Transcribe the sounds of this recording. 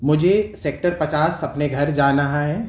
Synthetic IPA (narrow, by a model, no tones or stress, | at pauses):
mʊd͡ʒʱeseːk̚ʈəɾpɐt͡ʃaːsɐpneɡʱɐɾd͡ʒaːnɐɦaɦɛː